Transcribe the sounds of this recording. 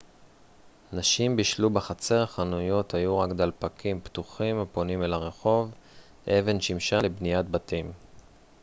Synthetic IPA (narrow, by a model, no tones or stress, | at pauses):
naʃimbiʃlubeχat͡se̞ʁaχanujo̞thajuʁakd̪alpakimpt̪uχimapo̞nimelaʁe̞χo̞v | eve̞nʃimʃalebnijat̚batim